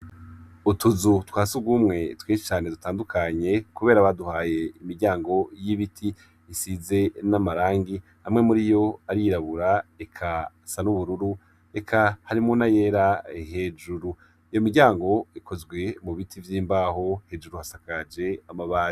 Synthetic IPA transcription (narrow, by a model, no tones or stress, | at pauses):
utuzutwaːsuɡumŋe̞tweːʃi̥t͡ʃaːne̞dutaːndukʰaɲe̞kuβe̞ːɾaβaduhaːje̞imiɾɟaːŋɡo̞jiβitʰi | isize̞namaɾaːŋɡi | hamŋe̞muɾijo̞aɾiiɾaβuɾaekʰa | sanuβuɾuɾu | e̞kʰahaɾimunaje̞ːɾaeɦe̞d͡ʒuɾu | ijomiɾɟaːŋɡo̞ikʰo̞zɡwe̞muβitʰivjiːmbaːɦo̞he̞ːd͡ʒuɾuhasakad͡ʒe̞amaβaːi